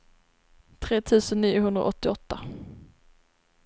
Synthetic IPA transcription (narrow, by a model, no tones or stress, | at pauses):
t̪ʰɾeːt̪ʰʉ̟ːsənːiːjʊɦɵnd̪ɾa̰ʔɔt̪ːɪɔt̪ːa